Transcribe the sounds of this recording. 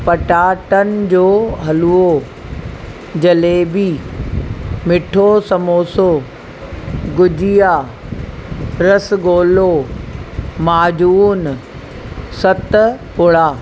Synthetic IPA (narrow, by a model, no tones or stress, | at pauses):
pɐʈaːʈənɪ̆d͡ʑoːɦɐluo | d͡ʑɐleːbiː | mɪʈʰosɐmoːso | ɡʊd͡ʑijaː | ɾɐsɡoːlo | maːd͡ʑuːn | sɐt̪pʊɽaː